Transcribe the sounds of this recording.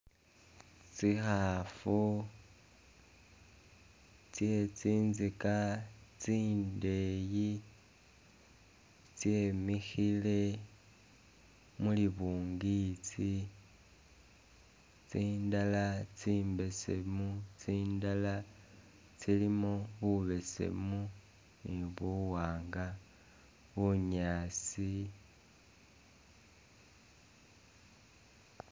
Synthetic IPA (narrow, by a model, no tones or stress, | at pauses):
t͡sixafu | t͡sje̞t͡siːnzikat͡siːnde̞ji | t͡sjemixile̞ | muliβuːŋɡit͡si | t͡siːndalat͡siːmbe̞se̞̰mut͡siːndala | t͡silimoβuβe̞se̞̰mu | niβuwaːŋɡa | βuɲaːt͡si